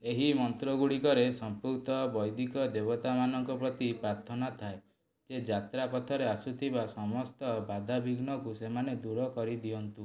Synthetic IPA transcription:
eɦimɔnt̪ɾɔɡuɽikɔɾesɔmpukt̪ɔbɔjd̪ikɔd̪ebɔt̪amanɔŋkɔpɾɔt̪ipɾaɾt̪ʰɔnat̪ʰae | d͡ʒed͡ʒat̪ɾapɔt̪ʰɔɾeasut̪ʰibasɔmɔst̪ɔbad̪ʱabiɡnɔkusemaned̪uɾɔkɔɾid̪iɔnt̪u

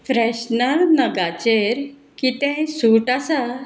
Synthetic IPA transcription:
fɾɛɕnəɾnəɡat͡ɕeɾ | kit̪ɛ̃suʈasa

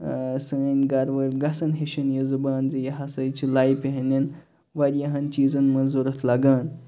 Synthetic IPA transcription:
sɨːnɡɐɾʋɐlʲɡɐsɐnɦeʃinjɐzɨbaːnzɨjɐɦɐsɐjt͡ʃʰilajpeɦɐnʲin | ʋɐɾʲjɐɦɐnt͡ʃiːzɐnmɐnzuɾɐt̪ʰlɐɡaːn

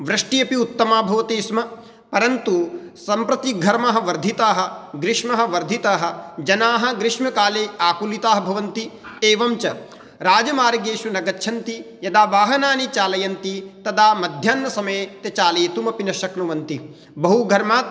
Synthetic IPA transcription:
ʋɾɐʂʈijɐpiut̪ːɐmaːbʱɐʋɐt̪iːsmɐ | pɐɾɐnt̪u | sɐmpɾɐt̪iɡʱɐɾmɐɦɐ̆ʋɐɾd̪ʱit̪aːɦɐ̆ɡɾiʂmɐɦɐ̆ʋɐɾd̪ʱit̪aːɦɐ̆d͡ʒɐnaːɦɐ̆ɡɾɪʂmɐkaːleːaːkulit̪aːɦɐbʱɐʋɐnt̪ieːʋɐmt͡ʃɐ | ɾaːd͡ʒɐmaːɾɐɡeːʃunɐɡɐtːʃʰɐnt̪ijɐd̪aːʋaːɦɐnaːnit͡ʃaːlɐjɐnt̪it̪ɐd̪aːmɐd̪ʱjaːnːɐsɐmɐːt̪ɐt͡ʃaːlejt̪umɐpinɐʃɐknuʋɐnt̪i | bɐɦuɡʱɐɾmaːt̪

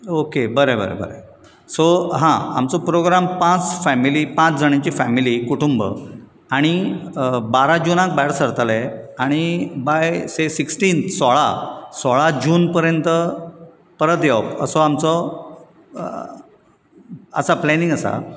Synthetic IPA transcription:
okebəɾebə̰ɾḛbə̰ɾḛ | soɦãa̰mt͡sɔpɾoɡɾampãt͡sfæmilipãt͡sd͡zʱəɳ̃jat͡ɕiːfæmilikuʈumbə̰ | aɽ̃i | baɾad͡ʑunãk̚bɛɽsəɾt̪aleaɽ̃ibajsesiksʈiːnt̪sɔɭa̰sɔɭad͡ʑuːnpəɾjənt̪ə | pəɾət̪japə̰sɔamt͡sɔ | ə̰saplɛnĩŋɡəsa̰

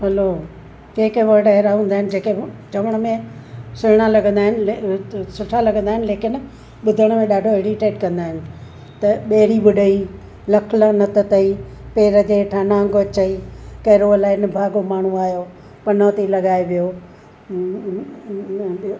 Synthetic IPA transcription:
ɦɐloː | keːkʋɐʈɐɦɪɾaɦũːn̆d̪aːɦɪ̃nɪ̆d͡ʑeːked͡ʑɐʋəɽ̃ə̆mẽsʊɦɽ̃alɐɡə̃nd̪aːɦɪnɪlesʊʈʰalɐɡʱə̃nd̪aːɦɪnɪ̆leːkɪn | ɓʊd̪ʱəɽ̃mẽɗaːɖʱoeːɽiʈeːʈkɐ̃nd̪aːɦɪnɪ̆ | t̪ɐɓeːɾiɓʊɖʱəiː | lɐkʰlənɐt̪ət̪ɐipeːɾəd͡ʑeːʈʰãnãːŋɡoɐt͡ɕəikɐːɾoɐlaːɪnbʱaːɡomaːɳ̤ũaːjoː | pɐnoːt̪ilɐɡaːeʋijoː

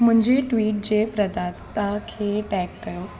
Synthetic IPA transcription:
m̤ə̃ɲd͡ʑeʈʋiːʈ̚d͡ʑepɾəd̪at̪t̪akʰeʈɛkːəjo

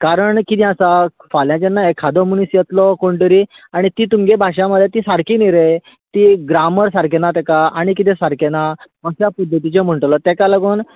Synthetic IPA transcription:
kaɾəɳkit̪ɛ̃asafaljãt͡ɕenajkʰad̪ɔmunisjet̪lɔkoɳt̪əɾiː | aɽ̃it̪iːt̪umɡebʱaʂãməd̪ʱːjet̪iːsaɾkiːniɾe | t̪iɡɾaməɾsaɾkenat̪ɛkaaɽ̃ikit̪ẽsaɾkena | əɕjapəd̪ʱːət̪̬it͡ɕem̤əɳʈlɔt̪ɛkaləɡuːn

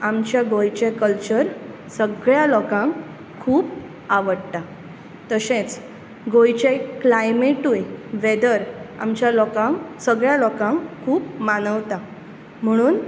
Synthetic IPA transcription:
amt͡ɕjaɡojt͡ɕekəlt͡ɕəɾ | səɡɭjalɔkãŋk | kʰuːp | aʋəɽt̪a | t̪əɕẽt͡s | ɡojt͡ɕeklajmeʈujʋed̪əɾa̰mt͡ɕjalɔkãŋsəɡɭjalɔkãŋkkʰːuːpmanəʋt̪a | m̤əɽ̃uːn

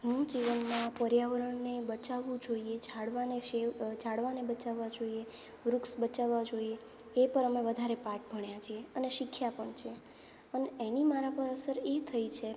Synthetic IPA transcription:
ɦũd͡ʒiʋənmãpəɾjaʋəɾəɳnebət͡ʃaʋũd͡ʒoiet͡ʃaɽʋaneʃet͡ʃʰaɽʋanebət͡ʃaʋːad͡ʒoie | ʋɾuksbət͡ʃaʋːad͡ʒoie | epəɾəmeʋəd̪ʱaɾepaʈ̚bʱəɳjat͡ʃʰieəneʃɪkʰːjapəɳt͡ʃʰe | əneenimaɾapəɾəsəɾet̪ʰəit͡ʃʰe

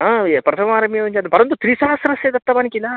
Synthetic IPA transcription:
aepɾɐt̪ʰɐmaːɾɐmijɐʋɐɲt͡ʃad̪pɐɾɐnt̪ːut̪ɾiːsaːɐsɐɾɐseːd̪ɐt̪ːɐbaːnikila

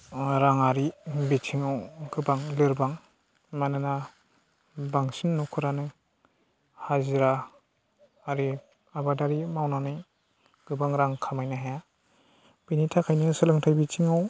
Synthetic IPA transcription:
ɾaŋaɾibitʰiŋawɡɯbaŋlɯɾbaŋ | manɯna | baŋsinːukʰɯɾanɯŋ | haziɾa | ɾi | abadaɾimawnanɯj | ɡ̥ɯbaŋɾaŋkʰamajnaɦeja | binitʰakʰajnisɯlɯŋtʰajbit͡ʃʰiŋaw

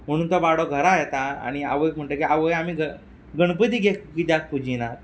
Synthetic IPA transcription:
m̤əɽ̃uːnt̪ɔbaɽoɡʱəɾajet̪aa̰ɽ̃ia̰ʋəjkm̤əɳʈəkiaʋəjamiːɡə | ɡəɳ̃pət̪iːɡekɡid̪jak̚pud͡ʑʱinat̪

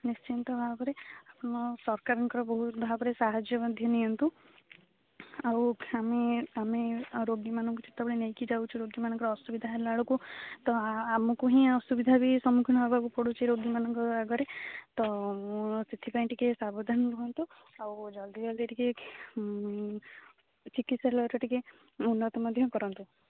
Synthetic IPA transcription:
nist͡ʃint̪ɔbʱabɔɾeapɔnɔsɔɾkaɾɔŋkɔɾɔbɔɦut̪bʱabɔɾesaɦad͡ʒjɔmad̪ʱjɔniɔnt̪u | awameameɾoɡimanɔŋkut͡ʃit̪ːabɔɭinejkid͡ʒawt͡ʃʰiɾoɡimanɔŋkɔɾɔːsubid̪ʱaɦlaɭɔkut̪ɔamɔkuɦĩɔsubid̪ʱabisɔmukʰnɔɦbʱakupɔɽut͡ʃʰiɾoɡimanɔ̃ŋkɔaɡɔɾet̪ɔ | sit̪ʰːipaĩɳʈikesabod̪ʱanbuɦɔnt̪u | awd͡ʒɔld̪id͡ʒald̪eɾike | t͡ʃikit̪salaɭt͡ʃɔʈike | unːət̪məd̪ʱjɔkɔɾɔnt̪u

